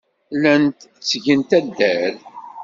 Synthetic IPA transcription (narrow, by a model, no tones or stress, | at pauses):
lænt̪t͡sːʝənt̪æd̪ːæɾ